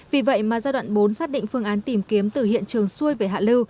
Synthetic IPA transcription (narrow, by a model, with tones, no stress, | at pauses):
vi˨˩və̰˧˨jmaː˨˩zaː˧ɗwa̰ː˧˨nɓo˨˦nsaː˦˥t̚ɗḭ̈˧˨ŋ̟fɨ˧əŋʔaː˨˦nt̪i˨˩mki˨˦əmt̪ɨ˨˩hḭ˧˨ənt͡ɕɨ˨˩əŋsu˧əjve˧˩ɦa̰ː˧˨lɨ˧w